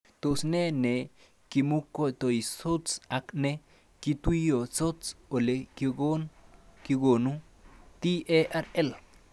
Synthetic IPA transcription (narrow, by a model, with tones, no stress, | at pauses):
t̪o˨sne˦ne˨ | ki˧mu˦ko˦t̪o˨i˨so˦t͡sa˧kne˦ | ki˧t̪u˦jo˨t͡so˦t͡so˨le˧ki˧ɡo˦nki˧ɡo˨nu˦ | t̪i˦ʔe˦ʔa˦ɾe˦l